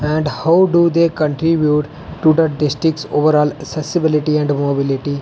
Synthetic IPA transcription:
ɛ̃ɳɖhaʊɖud̪eːkə̃ɳʈɾibjuːʈː | ud̪əɾɖɪsʈɾɪk̚ʈsoːʋəɾɔːləksɛsɪbɪlɪʈiɛ̃ɳɖmobɪlɪʈi

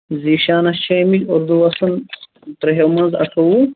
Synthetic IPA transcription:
ziːʃaːnɐt͡ʃʰemid͡ʒoɾd̪uwɐsɐn | t̪ɾɐɦewmɐnzɐ̰ʈʰɐwu

